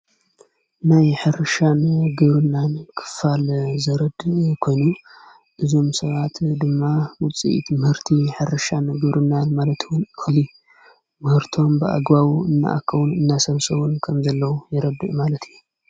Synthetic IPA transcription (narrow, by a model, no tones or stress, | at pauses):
najħɨɾɨʃanɡɨβɾɨnːankʰɨ̥falzɐɾɐd̪kʰo̞jnu | ʔɨzo̞msɐβat̪ʰd̪ɨmːawʊt͡sʼḭʔḭt̪ʰɨmhɨɾt̪ʰiħɨɾɨʃanɡɨβɾʔɨnːanmalɐt̪wʊnʔɨxli | mɨhɨɾt̪ʰo̞mbɨʔa̰ɡβawuɨnːa̰ʔa̰kʰːɐwunɨnːasɐβsʼɐβunkʰɐmzɐlːɐwujɪɾɐd̪ːɨʔmalɐt̪ijːu